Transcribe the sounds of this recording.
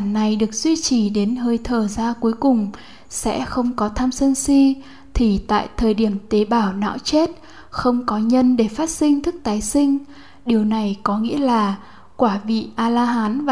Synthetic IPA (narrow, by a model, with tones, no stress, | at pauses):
nːa˨˩jɗɨ˨˩ək̚z̥wi˧t͡ɕi˧˩ɗe˨˦nɦəː˧jt̪ʰəː˨˩zaː˧ku˨˦jkʊ˨˩ŋ͡m | sɛ̰˧˥xə˧wŋ͡mkɔ˨˦t̪ʰaː˧msə˧nsi˧ | t̪ʰi˨˩t̪a̰ː˧˨jt̪ʰəː˨˩jɗi˧˩əmt̪e˨˦ɓaː˧˩wna̰ː˧˥wt͡ɕe˦˥t̚ | xə˧wŋ͡mkɔ˨˦ɲə˧nɗe˧˩faː˦˥t̚sï˧ŋ̟t̪ʰɨ˦˥k̚t̪aː˨˦jsï˧ŋ̟ | ɗi˨˩əwna˨˩jkɔ˨˦ŋḭ˧˥əlaː˨˩ | kwaː˧˩vḭ˧˨ʔaː˧laː˧ɦaː˨˦nv